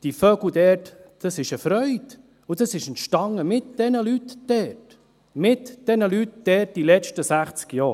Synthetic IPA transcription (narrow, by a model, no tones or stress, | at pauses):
d̥ifœɡld̪ɛːɾtd̥ɑsɪʃəfɾœʏd̪̥ | ud̥ɑsɪʃənʃtɑŋəmɪt̪̚d̥ɛnəlytd̥ɛt | mɪtd̥ɛnəlytd̥ɛːɾt̚d̥ilɛt͡ʃtəsæχt͡skjɑː